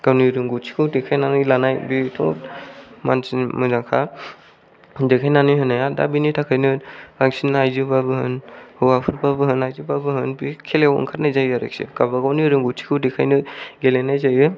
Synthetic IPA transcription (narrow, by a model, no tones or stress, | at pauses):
ɡ̥awniɾɯŋɡut͡ʃʰi̥kʰɯwdekʰajnanɯjlanajbitʰɔ̰ | mansimɯzaŋkʰa | dekʰajnanɯjɦɯnajada̰binitʰakʰɯjnɯɾaŋsinajzɯbabɯhɯnhɯwapʰɯɾbabɯɦɯnajzɯbabɯɦɯnbikʰelewɔ̰ŋkʰat̚najzajaɾḛk̚sḛɡabaɡawniɾɯŋɡutʰi̥kʰɯwdekʰajnɯɡelenajzajɯ